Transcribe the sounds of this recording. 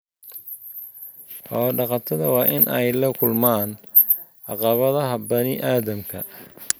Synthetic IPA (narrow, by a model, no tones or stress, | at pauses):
ħɔːɖɑqɑt̪ʰɐðɐwɑːʔɪnʔɛjlɐkʰʊlmaːn | ʕɑqɑβɐðɐɦɐbɐnɪʔaːðɐmkʰɐ̰